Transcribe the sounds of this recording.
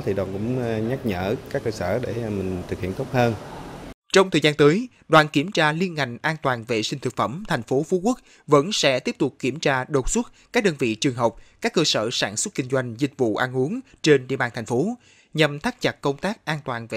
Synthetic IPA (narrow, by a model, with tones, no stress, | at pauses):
t̪ʰi˨˩ɗwa˨˩nkʊ̰˧˥ŋ͡mɲa˦˥t̚ɲəː˧˩kaː˦˥kːəː˧səː˧˩ɗe˧˩mï˨˩ŋ̟t̪ʰɨ˨˩k̚hḭ˧˨ənt̪o˦˥p̚həː˧n | t͡ɕɔ˧wŋ͡mt̪ʰəː˨˩zaː˧nt̪əː˨˦j | ɗwaː˨˩nki˧˩əmt͡ɕaː˧li˧ənŋa˨˩jŋ̟ʔaː˧nt̪waː˨˩nve˨˩sï˧ŋ̟t̪ʰɨ˨˩k̚fə˧˩mt̪ʰa˨˩jŋ̟fo˨˦fu˨˦ku˦˥t̚ | və̰˧˥nsɛ̰˧˥t̪i˦˥əp̚t̪ʊ˨˩k͡p̚ki˧˩əmt͡ɕaː˧ɗo˨˩t̚swu˦˥t̚kaː˦˥k̚ɗəː˧nvḭ˧˨t͡ɕɨ˨˩əŋɦə˨˩wk͡p̚kaː˦˥kːəː˧sə̰ː˧˩saː˧˩nswə˦˥t̚kï˧ŋ̟zwa˧jŋ̟zï˨˩k̟̚vṵ˧˨ʔaː˧nʔu˨˦əŋt͡ɕe˧nɗḭ˧˨əɓaː˧˩nt̪ʰa˨˩jŋ̟fo˨˦ | ɲə˨˩mt̪ʰaː˦˥t̚t͡ɕə˨˩t̚kə˧wŋ͡mt̪aː˦˥k̚ʔaː˧nt̪waː˨˩nve˨